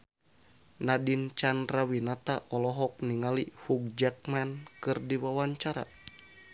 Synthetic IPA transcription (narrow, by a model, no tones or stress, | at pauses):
nadint͡ʃandɾawinat̪aʔɔlɔɦɔk̚niŋalihuk̚d͡ʒak̚mankɨrdiwawaɲt͡ʃaɾa̰